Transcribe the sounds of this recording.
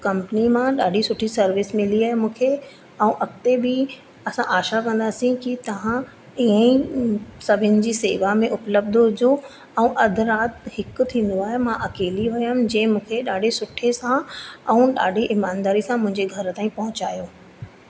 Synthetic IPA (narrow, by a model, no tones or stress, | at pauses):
kɐ̃mpnimãɗaːɖʱisʊʈʰisɐɾʋɪsmɪliaːɦemũːkʰe | ɛũʔɐkt̪ebɪ | ɐsãʔaːʃakɐ̃nd̪aːsĩkit̪ɐʋ̤ã | iːə̃ĩsɐbʱɪnɪ̆d͡ʑiːseːʋamẽʔʊpləb̚d̪ɦʊd͡ʑo | ɛ̃ũʔɐd̪ʱʊ̆ɾaːt̪hɪk̆t̪ʰĩːnd̪oaːɦemãʔɐkeːliɦʊjəmd͡ʑɛ̃ːmũːkʰeɗaːɖʱesʊʈʰesãɛ̃ːɗa̰ːɖʱiʔɪmaːnd̪aːɾisãmʊ̃ɦɪ̃ɲd͡ʑeɡʱɐɾt̪aːĩpɐɦʊt͡ɕaːjoː